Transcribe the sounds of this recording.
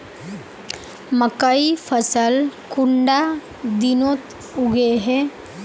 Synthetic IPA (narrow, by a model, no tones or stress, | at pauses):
məkəipʰəsəlkuɳɖa | d̪inot̪ | uɡeɦe